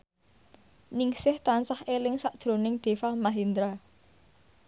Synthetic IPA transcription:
nɪŋsɪht̪ansahelɪŋsaʔd̥ʒ̥ɾo̤nɪŋɖ̪̥e̤famaɦind̪ɾa

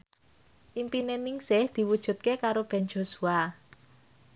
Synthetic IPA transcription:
ʔimpinenɪŋsɪhd̪̥i̤wud̥ʒ̥ṳt̪̚kekaɾob̥ɛ̤nd͡ʒo̤sua

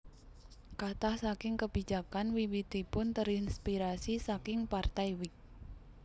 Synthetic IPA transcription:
kat̪ahsakɪŋkəb̥i̤̥d͡ʒ̥a̤kanwiwid̪̥ipʊnt̪əɾɪnspiɾasisakɪŋpart̪aiwɪk̚

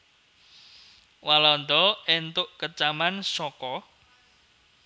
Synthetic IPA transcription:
walɔnd̪ɔent̪ʊʔkət͡ʃamansɔkɔ

